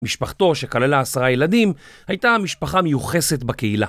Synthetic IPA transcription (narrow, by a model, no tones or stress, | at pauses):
miʃpaχt̪o̞ʃe̞kalelaːsaʁajelad̪im | hajtamiʃpaχamejuχe̞se̞t̪bakeila̰